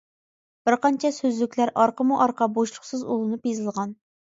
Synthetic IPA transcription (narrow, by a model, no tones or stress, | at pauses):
b̥ɪɾqɑnt͡ʃʰɛsøzlykʲlæɾʔɑɾqəmuʔɑɾqɑboʃlˠʊχsɨzolˠɨnupjezɨlˠʁɑn